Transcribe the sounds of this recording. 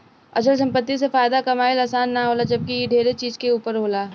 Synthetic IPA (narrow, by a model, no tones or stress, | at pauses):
ɐsəls̬ɐ̃mpət̪ːis̬efaːjd̪akɐmaːɪlaːsaːnːaɦoːlad͡ʒɐb̚kijeɖʱeːɾet͡ʃiːzkeuːpəɾɦoːlaː